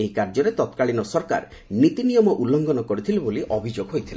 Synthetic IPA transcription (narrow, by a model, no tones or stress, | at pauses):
eɦikaɾd͡ʒɔɾet̪ɔt̪kaɭinɔsɔɾka̰ɾ | nit̪inijɔmɔʔulːɔŋɡɔnɔkɔɾit̪ʰiluboliʔɔbʱid͡ʒoɡɦojt̪ʰile